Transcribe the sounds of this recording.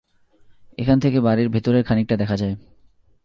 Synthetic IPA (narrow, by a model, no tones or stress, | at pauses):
ḛkʰant̪ʰekebaɾiɾbʱet̪oɾeɾkʰanik̚ʈad̪ɛkʰad͡ʑae